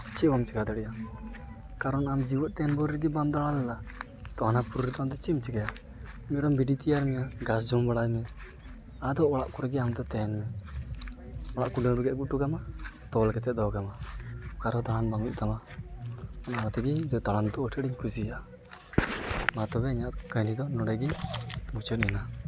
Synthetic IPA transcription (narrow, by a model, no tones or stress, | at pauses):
t͡ʃibɔmt͡ʃikad̪ɛɽɛja | kaɾɔnamd͡ʒiwɔt̪̚t̪ɛnbɔɾɾɛɡibamd̪aɭanlɛla | t̪ɔhanapuɾuɾit̪ɔmd̪ɔt͡ʃimt͡ʃikaja | mɛɾɔmbiɖit̪ijaɾmɛjaɡas̬d͡ʒɔmbaɽajmɛ | ad̪ɔɔɽaʔkɔɾɛɡɛamd̪ɔt̪ɛnmɛ | ɔlaʔkuɖɛŋɾuɡɛʔ̚ɡuʔ̚ʈukamat̪ɔlkɛt̪ɛʔ̚d̪ɔɡamakaɾɔd̪aɭanbamḭʔ̚t̪ama | ɔnaanat̪ɛɡid̪d̪aland̪ɔːʈʰɛɖiɲkʰusia | mat̪ɔbɛiɲaʔkəjnid̪ɔnɔɽɛɡimut͡ʃɔt̪̚ina